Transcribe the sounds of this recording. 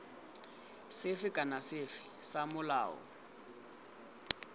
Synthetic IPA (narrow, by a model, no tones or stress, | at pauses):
sɪfɪkʼanasɪfɪ̥samʊla̰ːɔ̰